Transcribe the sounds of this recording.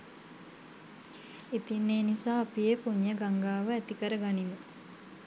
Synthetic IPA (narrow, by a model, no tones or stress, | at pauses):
it̪inːeːnisaːapijepuɲːəɡaŋɡaːʋəæt̪ikəɾəɡaninu